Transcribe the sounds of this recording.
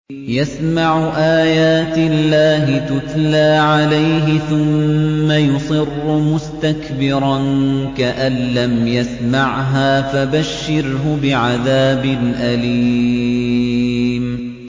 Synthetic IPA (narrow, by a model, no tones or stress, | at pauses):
jasmaʕʊʔaːjaːt̪ɪlːaːɦɪt̪ʊt̪laːʕalajɦɪθʊmːajʊsˤɨrːʊmʊst̪akbɪɾˤɑnkaʔanːamjasmaʕɦaːfabaʃːɪɾɦʊbɪʕaðaːbɪnʔaliː | m